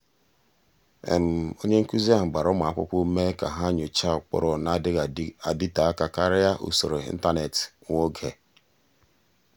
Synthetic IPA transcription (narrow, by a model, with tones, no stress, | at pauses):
ḛ˨m̩˨o˦ɲe˦ŋ̩˦ku˦zi˦a˦ɦ̩˨ɡ͡ba˨ɾɔ˦ma˨a˦˨kʊ̰˦k͡pu˦me˦ka˨ɦa˦ɲo˨t͡ʃa˦˨k͡pɔ̰˦ɾɔ˨na˦dɪ˦a˨di˦ta˨a˦ka˨ka˦ɾɪ˦a˦ʔṵ˦˨so˨ɾo˨ḭ˦n̩˦ta˦ne˨tŋo˦ɡe˨